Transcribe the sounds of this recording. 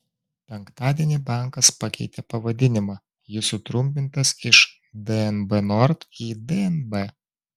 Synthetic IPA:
pʲɛŋkt̪ɑːd̪ʲiɛnʲibɑˑŋˑkɐspɐkʲɛɪt̪ʲɛpɐʋɐd̪ʲɪnʲɪmɑ | jɪsʊt̪ɾʊmʲp̬ʲɪnt̪ɐsɪʃ | d̪ɛɛnbɛnɔɾt̪iːd̪ɛɛnbɛ

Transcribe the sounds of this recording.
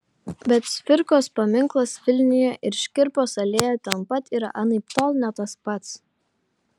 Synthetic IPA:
bʲɛt̪sʲfʲɪɾkoːspɐmʲɪŋklˠɐsʋʲɪlʲnʲɪjoʔɪɾʃʲkʲɪɾpoːsɐlʲeːjɛt̪ʲɛnpɐt̪iɾɐ̰ʔɑnɐpt̪ɔlˠnʲɛt̪ɐspɐt̪s

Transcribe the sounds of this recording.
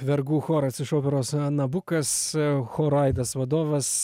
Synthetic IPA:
ʋʲɛɾɡuːxoːɾɐsɪʃoːpʲɛɾoːsnɐbʊkɐsxoːɾɐɪd̪ɐsʋɐd̪oːʋɐs

